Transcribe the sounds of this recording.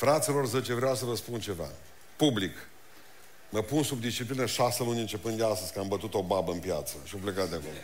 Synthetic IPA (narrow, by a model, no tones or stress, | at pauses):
fɾat̪silo̞rzət͡ʃevɾeawsəvəspunt͡ʃe̞va̰ | publik | məpunsub̚d̪ist͡ʃiplinəʃasəlunʲɨnt͡ʃe̞pɨnd̪d̪east̪əz̥ʲkəambət̪ut̪o̞babəɨnpjat̪səʃioplekat̪̚d̪ekom